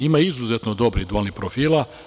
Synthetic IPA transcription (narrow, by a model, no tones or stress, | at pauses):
imaizuzet̪nod̪o̞bɾid̪ualnipɾofiːla